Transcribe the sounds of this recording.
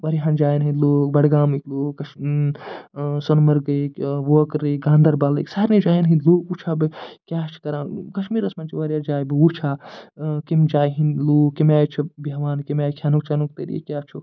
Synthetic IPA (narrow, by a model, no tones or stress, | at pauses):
ʋɐɾjɦãnd͡ʒaːjnɦĩnloːkbɐɽɡaːmikloːkːɐʃ | sɐnmɐɾɡɐkwoːkɾikɡãːnd̪ɐɾbalḭksaɾnid͡ʒaːjnɦĩloːkut͡ʃʰabɨkʲjat͡ʃʰi̥kɐɾãːkɐʃmiːɾɐsmant͡ʃʰiʋɐɾjad͡ʒaːjbiut͡ʃʰa | kimd͡ʒaːjɦinloːimaːjt͡ʃʰubaʋaːnkimaːjkʰjanuk̚t͡ʃanuk̚t̪eɾḛkʲaːt͡ʃʰu